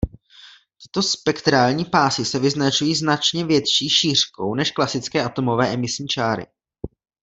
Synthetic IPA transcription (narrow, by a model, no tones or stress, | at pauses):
t̪ɪ̥t̪o̞spɛkt̪ɾaːlɲiːpaːsɪsɛvɪznat͡ʃujiːznat͡ʃɲɛvjɛt̪ʃiːʃiːr̝̥ko̞wnɛʃklasɪt͡skɛːʔat̪o̞mo̞vɛːʔɛmɪsɲiːt͡ʃaːɾɪ̰